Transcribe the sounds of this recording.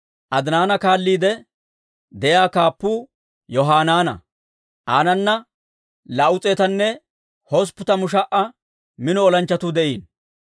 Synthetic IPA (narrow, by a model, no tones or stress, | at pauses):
ʔɐd̪naːnɐkaːlːiːd̪ɛ | d̪ɛjaːkaːpːuː | jɔɦaːnaːnɐ̰ | ʔaːnɐnːɐ | lɐʔʊt͡sʼeːt̪ɐnːɛ | hɔs̬pːʊt̪ɐmʊʃ̬ɐʔɐ | mɪnɔɔlɐnt͡ʃːɐt̪ud̪ɛʔiːn